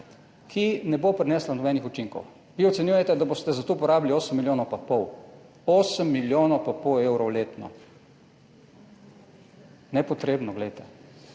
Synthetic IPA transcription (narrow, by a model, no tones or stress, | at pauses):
kʰinɛbopɾɛnɛːslanɔbɛːnixut͡ʃiŋkɔ̰w | ʋiɔt̪sɛnjujɛt̪ɛd̪aboːst̪ɛzat̪oːupɔɾaːbilioːsəmːilʲjoːnɔpapɔw | oːsəmːiljoːnopapoewɾɔwleːt̪nɔ̰ | nɛpɔt̪ɾeːbnɔɡlɛjt̪ɛ